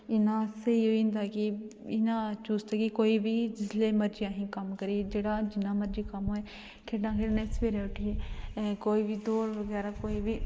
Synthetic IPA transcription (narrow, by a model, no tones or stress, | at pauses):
ɪnãːsəiːoːĩːnd̪aːkɪɪnãːt͡ʃuːst̪aːkikoːiːbiːd͡ʒɪsleːməɾd͡ʒijãːɦĩːkəmkəɾiːd͡ʒeːɽaːd͡ʒɪnãːməɾd͡ʒiːkəmɦoːeː | kʰeːɖãːkʰeːɾneːsbeːɾeːʊʈʰiːeːkoːiːbiːd̪oːɾʋəɡɛːɾaːkoːiːbiː